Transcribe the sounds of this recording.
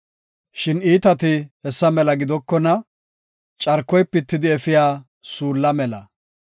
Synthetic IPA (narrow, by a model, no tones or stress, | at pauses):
ʃɪniːt̪ɐt̪ɪhɛsːɐmɛlɐɡɪd̪ɔkːɔnɐ | t͡ʃʼɐɾkːɔjpːɪt̪ːɪd̪ɪɛfɪjaː | suːlːɐmɛlɐ